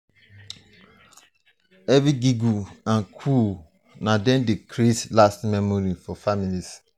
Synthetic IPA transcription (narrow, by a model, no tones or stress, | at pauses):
ɛvɹiɡiɡuãnkʰu | nadɛ̃ndekʰɾetlastmɛmɔɾifɔfamilis